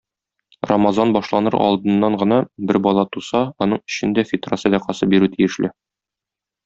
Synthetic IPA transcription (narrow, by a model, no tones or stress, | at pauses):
romazɑnbɒʃlˠɑnɤɾɒ̰lˠd̪ɤ̆nːɑɴɢɤ̆nɑbɘɾbɒlˠɑt̪usɑɒnɤɴɵ̥̆ɕɘ̆nd̪æfʲɪt̪rasæd̪æqɑsɤbiɾʉt̪ijɘ̆ʃlɘ